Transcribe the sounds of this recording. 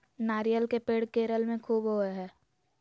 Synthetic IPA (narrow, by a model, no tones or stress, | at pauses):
naːɾijəlkepeːɽkeːɾəlmẽkʰuːbɦoːeɦɛː